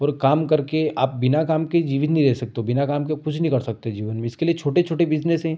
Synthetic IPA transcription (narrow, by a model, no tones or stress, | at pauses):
ɔːɾkaːmkɐɾkeaːp̚bɪnakaːmked͡ʒiːʋt̪nɦĩɾɛːsɐk̚t̪eɦobɪnakaːmkekʊt͡ʃʰnɦĩkɐɾsɐk̚t̪eɛ̃d͡ʒiːʋənmẽɪskeliet͡ʃʰoːʈet͡ʃʰoːʈebɪd͡ʒnesɦɛ̃